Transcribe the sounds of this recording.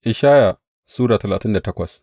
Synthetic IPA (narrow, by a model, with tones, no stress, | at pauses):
ʔɪ˨ʃaː˦ja˨ | suː˦ɽaː˨tɐ˨laː˨tɪ˦nda˨tɐ˦kʷɐ˨s